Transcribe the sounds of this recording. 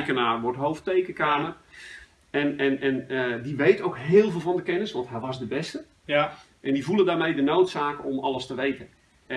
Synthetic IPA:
kənaːrʋɔrtɦowftejkəkaːmər | ɛnɛnɛnədiʋejtowkɦɪːlˠvɪːlˠvɔndəkɛnəsʋɔntɦɛjʋɔzdəbɛstə | ʔɛndivulˠəndaːrmejdənowtsaːkɔmɑlˠəstəʋejtən

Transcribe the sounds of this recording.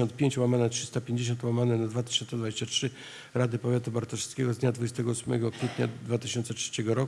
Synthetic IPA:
ɔnt̪pʲjeɲt͡ɕwamanɛtʂɘ̥ɨst̪apʲjeɲd͡ʑeɕ̬ɔnt̪wamanɛnad̪vat̪ɘ̥ɕɔnt̪sɛd̪vad͡ʑeɕt͡ɕatʂɘ | ɾad̪ɘpɔvʲjat̪ubaɾt̪ɔʂɛ̥skʲɛɡɔzd̪ɲad̪vud͡ʑɛst̪ɛɡɔusmɛ̰ɡɔkfʲjɛt̪ɲa̰d̪vat̪ɘɕɔnt̪sɛtʂɛt͡ɕɛɡɔɾɔ

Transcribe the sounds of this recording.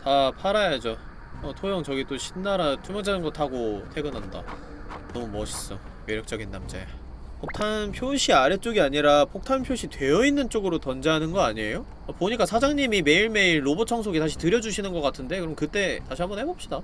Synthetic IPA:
tapʰaɾajad͡ʑo | ʌtʰojʌŋt͡ɕʌɡit͈oɕʰinːaɾat͡ɕ͈umʌd͡ʑanɯnɡʌtʰaɡotʰe̞ɡɯnɦanda̰ | nʌmumʌɕʰi̥s͈ʌ | jeɾjʌk̚t͡ɕ͈ʌɡinːamd͡ʑḛ | pʰok̚tʰanpʰjoɕʰiaɾet͡ɕ͈oɡiaɲiɾapʰok̚tʰanpʰjoɕʰitwe̞jʌinːɯnt͡ɕ͈oɡɯɾotʌnd͡ʑeɦanɯnɡʌaɲie̞jo | apoɲik͈asʰad͡ʑaŋɲimime̞iɭme̞iɾːobot͡ɕʰʌŋs̬ʰoɡitaɕ̬ʰi̥tɯɾjʌd͡ʑuɕʰinɯnɡʌk͈atʰɯnde̞kɯɾʌmkɯt͈e̞taɕʰiɦambʌnhe̞bʌp̚ɕ͈ida

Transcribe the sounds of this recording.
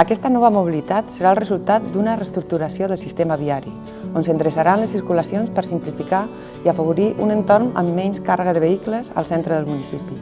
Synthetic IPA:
əkɛst̪ənɔβəmuβ̞ilit̪at̪səɾaəlˠrəzulˠt̪at̪̚d̪unərəst̪ɾuk̚t̪uɾəsioðəlˠsist̪eməβiaɾḭ | onsənd̪ɾəsaɾanləsːiɾkuləsionspəɾsimplifika | iəfəβ̞uɾiʔunənt̪oɾmə̰mːɛɲskarəɣəðəβəikləzə̰lˠsɛnt̪ɾəðəlˠmunisipi

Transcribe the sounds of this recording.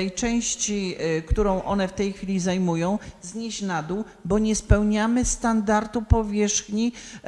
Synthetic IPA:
ɛjt͡ʂɛ̃w̃ɕt͡ɕikt̪uɾɔ̃w̃ʔɔnɛft̪ɛjxfʲilʲizajmujɔ̃w̃zɲeɕnad̪uw | bɔɲɛspɛwɲamɘst̪and̪aɾt̪upɔvʲjɛʂxɲi

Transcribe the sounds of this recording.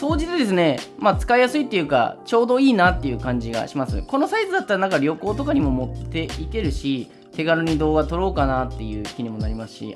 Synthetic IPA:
so̞ːd͡ʑit͡sɨd̪e̞s̬ɨne̞mat͡sɨ̥kaijasɨit̪ːeɯ̟ːka̰t͡ɕo̞ːd̪o̞iːnat̪ːe̞jɯ̟ːkãɲ̟d͡ʑiɡa̰ɕimasɨ̰ko̞no̞saizɨd̪at̪ːaɾanãŋkaɾʲo̞ko̞ːt̪o̞kaɲ̟imo̞mo̞t̪ːe̞ike̞ɾɯ̟ɕi | t̪e̞ɡaɾɯɲ̟id̪o̞ːɡat̪o̞ɾo̞ːkanat̪ːe̞jɯ̟ːkʲiɲ̟imo̞naɾʲimasɨ̥ɕḭ

